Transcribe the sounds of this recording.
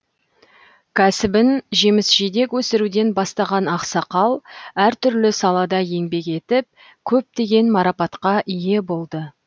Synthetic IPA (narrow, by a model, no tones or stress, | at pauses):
kʲʰæsɪbɪnʒe̞mɪsʒ̥id̪e̞kwɵsɪɾud̪e̞nbɑst̪ɑʁɑnɑqsɑqɑlˠæɾt̪ʰʏɾlɪsɑlˠɑd̪ɑje̞ŋbe̞ke̞t̪ɪp̚ | kʲʰɵp̚t̪e̞ɡʲe̞nmɑɾɑpɑt̪qɑʔije̞bo̞lˠd̪ə